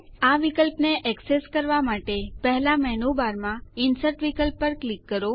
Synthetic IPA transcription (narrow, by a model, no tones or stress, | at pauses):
aʋikəlpneʔɛkseskəɾʋamaʈepɛɦlamɛɦnobaɾmãinsəɾʈʋikəlpːəɾklikːəɾo